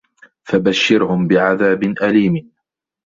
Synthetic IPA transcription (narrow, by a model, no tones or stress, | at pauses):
fabaʃːɪɾhʊmbɪʕaðaːbɪnʔaliːm